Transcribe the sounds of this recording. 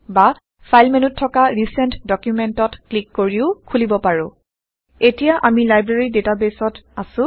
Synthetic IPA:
ba | fʰajlmenutʰːɔkaɹisɛntdɔkjumɛntɔtklikːoɹiʊkʰulibɔpaɹʊ̃ | etijaʔamilajbɹeɹidetabesɔtasʊ̃

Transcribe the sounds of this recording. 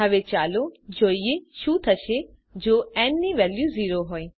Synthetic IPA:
ɐʋet͡ʃaːlod͡ʒoːieʃũt̪ʰəʃe | d͡ʒoːɛnːiʋɛːljuziːɾoɦoːe

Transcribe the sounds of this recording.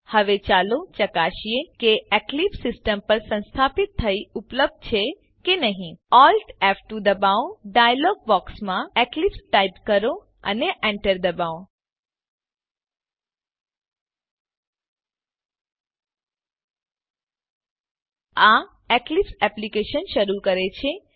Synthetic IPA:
həʋet͡ʃalot͡ʃəkaʃiekeɛklipsɪsʈəmpəɾsə̃nst̪ʰapɪt̪ʰːəiupləb̚d̪̚t͡ʃʰe | kenəɦĩɔlʈɛfʈud̪əbaoɖajəlɔɡ̚bɔksmãɛklipsʈaipkəɾo | ə̰neʔɛ̃ɳʈəɾd̪əbao | a | ɛklipsɛplikeʃənʃəɾukəɾet͡ʃʰe

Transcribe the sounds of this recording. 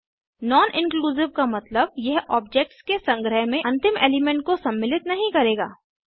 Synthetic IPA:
nɔːnʔɪ̃nkluːzɪʋkamɐt̪ləb̚jɛɦɔːb̚d͡ʒek̚ʈskesɐ̃ŋɡɾəɦmẽɐ̃nt̪ɪmḛːlɪmẽɳʈ̚kosɐmːɪlɪt̪nɐɦĩkɐɾeːɡa̰ː

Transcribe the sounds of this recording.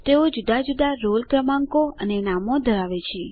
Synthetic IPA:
t̪eod͡ʒud̪ad͡ʒud̪aɾolkɾəmãŋkoənenamod̪ʱəɾaʋet͡ʃʰe

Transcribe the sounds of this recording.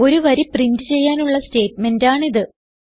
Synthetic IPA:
o̞ɾuʋɐɾiprindɨt͡ɕe̞jːaːnuɭːɐste̞ːtme̞ndaːɳiðɨ

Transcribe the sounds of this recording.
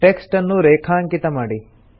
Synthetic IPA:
ʈeksʈɐnːuɾeːkʰaːŋkit̪ɐmaːɽi

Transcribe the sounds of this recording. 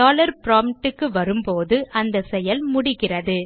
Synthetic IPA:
aːlɐɾpɾaːmʈːɯkːɯʋɐɾɯmpoːðɯʔɐnd̪ɐsɛjɐlmʊɽɪɣɪrɐðɯ

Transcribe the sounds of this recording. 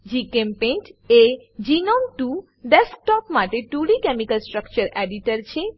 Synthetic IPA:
d͡ʒikempeɳʈe | d͡ʒinɔmʈu | ɖesk̚ʈɔpmaʈeʈuɽikɛmikəlsʈɾəkt͡ʃəɾɛɖiʈəɾt͡ʃʰe

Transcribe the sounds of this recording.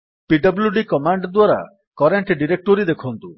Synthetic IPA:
piɖɔbljuɖikɔmaɳɖd̪waɾa̰ | kɔɾeɳʈɖiɾek̚ʈoɾid̪ekʰɔnt̪u

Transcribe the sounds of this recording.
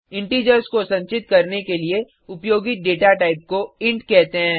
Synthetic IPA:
ɪ̃ɳʈiːd͡ʒəɾskosɐ̃ɲt͡ʃɪt̪kɐɾnekelie | ʊpjoːɡiɖeːʈaʈaːɪp̚koɪ̃ɳʈkɛɦt̪eɦɛɛ̃ː

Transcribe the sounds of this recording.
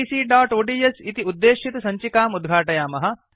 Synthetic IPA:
iːsiːɖaːʈoːɖiːesit̪iud̪ːeːʃit̪ɐsɐɲt͡ʃikaːmud̪̚ɡʱaːʈɐjaːmɐɦɐ

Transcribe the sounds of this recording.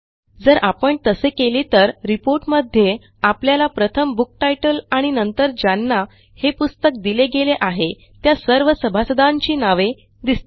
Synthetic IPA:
d͡zəɾʔapəɳt̪əsekeliːt̪əɾɾipoɾʈməd̪ʱːje | apljalapɾət̪ʰəmbuk̚ʈajʈəlaɽ̃inənt̪əɾd͡ʑanːa | hepust̪ək̚d̪ileɡeleʔaɦe | t̪jasəɾʋəsəbʱasəd̪aɲt͡ɕiːnaʋe | d̪ist̪

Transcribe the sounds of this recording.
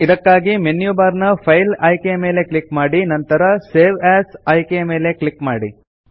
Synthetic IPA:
id̪ɐkːaːɡimenjubaːɾnɐpʰɐjlɐjkejɐme̞ːle̞kɭikmaːɽinɐnt̪ɐɾɐseːʋaːsɐjkejɐme̞ːle̞kɭikmaːɽi

